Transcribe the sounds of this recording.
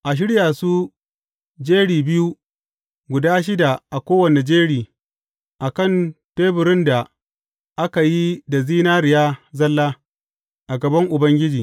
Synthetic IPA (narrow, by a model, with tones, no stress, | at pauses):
ʔa˨ʃ̬ɪ˦ɽjaː˨su˦ | d͡ʒeː˦ɽiː˨bɪ˦ju˦ | ɡʷʊ˨daː˦ʃ̬ɪ˦da˨ʔa˨kʷoː˦wɐ˨ne˨d͡ʒeː˦ɽiː˨ | ʔa˨kɐ˦˨nteː˦bʊ˨ɾɪ˦nda˨ | ʔa˦ka˨ji˦da˨ziː˦naː˦ɾɪ˨jaː˦zɐ˦lːaː˦ | ʔa˨ɡɐ˨bɐ˦ŋʔʊ˨bɐ˦ŋɡʲɪ˦d͡ʒiː˨